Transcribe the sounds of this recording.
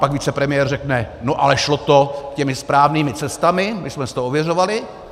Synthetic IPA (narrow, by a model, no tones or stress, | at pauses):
paɡviːt͡sɛpɾɛmɪjɛːrrɛknɛno̞ʔalɛʃlot̪o̞kcɛmɪspɾaːvniːmɪt͡sɛst̪amɪmɪsmɛsɪ̥t̪oovjɛr̝o̞valɪ